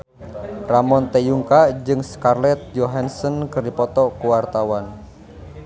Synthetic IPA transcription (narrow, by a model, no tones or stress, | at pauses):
ramɔnt̪ejuŋkad͡ʒɨŋskarlɛt̪̚d͡ʒoɦansɔnkɨrdipɔt̪ɔkuwart̪awan